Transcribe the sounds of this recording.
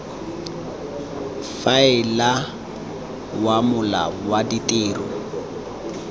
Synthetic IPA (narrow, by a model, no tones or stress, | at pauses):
faɪla | wamʊla̰waditʼeːrɔ